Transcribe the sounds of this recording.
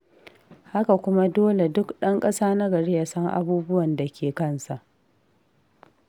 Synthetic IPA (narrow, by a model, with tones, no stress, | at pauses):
ha˦ka˨kʷʊ˦ma˦doː˦le˨dʊ˦kɗɐ˦ŋkʼɐ˦saː˦na˦ɡɐ˨ɽeː˦ja˦sɐ˦ŋʔa̰˦buː˦bʊ˦wɐ˨nda˨kʲeː˨kɐ˦˨nsa˨ʔ